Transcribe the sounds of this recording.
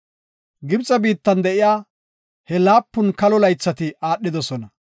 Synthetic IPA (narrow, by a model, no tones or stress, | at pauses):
ɡɪbt͡sʼːɐbiːt̪ːɐnd̪ɛʔɪjaː | hɛlaːpːʊnkɐlɔlɐjt͡sːɐt̪ɪaːɗːɪd̪ɔsɔnɐ